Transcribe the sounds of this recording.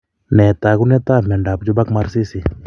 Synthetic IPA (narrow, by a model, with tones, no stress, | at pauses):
nɛ˨ta˨ɣu˦nɛ˦t̪a˦ma˨nda˨p̚d͡ʒɔ˦ba˦kma˦ɾsi˦si˨